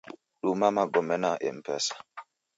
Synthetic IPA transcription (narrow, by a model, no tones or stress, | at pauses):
ɗumamaɡomɛnaʔḛm̩pɛsḁ